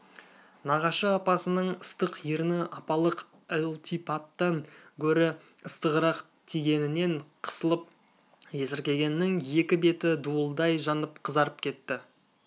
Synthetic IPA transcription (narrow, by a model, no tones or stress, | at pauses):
nɑʁɑʃəɑpɑsənəɴəst̪əqjiɾɪnɪʔɑpɑlˠəq | ælˠt̪ipɑt̪ːɑŋkʲʰɵɾɪ | əst̪əʁəɾɑq | t̪ʰiɡʲe̞nɪne̞ɴqʰə̥səlˠəp̚ | je̞sɪɾkʲe̞ɡʲe̞nːɪŋje̞kʲɪbe̞t̪ɪd̪uəlˠd̪ɑjʒɑnəp̚qʰəzɑɾəp̚kʲʰe̞t̪ːɪ